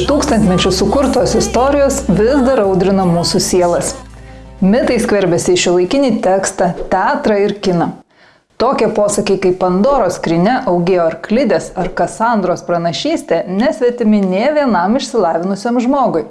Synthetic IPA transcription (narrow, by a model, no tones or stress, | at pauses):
ɪʃt̪uːkst̪ɐnt̪ʲmʲɛt͡ʃʲʊsʊkʊɾt̪oːsɪst̪oːɾʲɪjoːsʋʲɪzd̪ɐɾɐʊd̪ʲɾʲɪnɐmuːsʊsʲiɛlˠɐs | mʲɪt̪ɐɪsʲkʋʲɛɾʲbʲɛsʲɪɪʃʲɪlˠɐɪkʲɪnʲiːt̪ʲɛkst̪ɑt̪ʲæːt̪ɾɐɪɾkʲɪnɐ | t̪oːkʲɛpoːsɐkʲɛɪkɐɪpɐnd̪oːɾoːskɾʲɪnʲɛʔɐʊɡʲɪːjoːɐɾklʲɪd̪ʲeːsɐɾkɐsɑˑnd̪ɾoːspɾɐnɐʃʲiːsʲt̪ʲeːnʲɛsʲʋʲɛt̪ʲɪmʲɪnʲeːʋʲiɛnɐmɪʃʲsʲɪlˠɑːʋʲɪnʊsʲeːmʒmoːɡʊɪ